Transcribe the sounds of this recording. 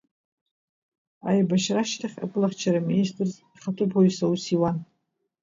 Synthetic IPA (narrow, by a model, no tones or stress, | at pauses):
a̰jbaʃraʃtʰaχʲa̰pʼɨlaχʲt͡ʃʰaɾaministʼrz | χatʰʼʊpʰoɥsausiwan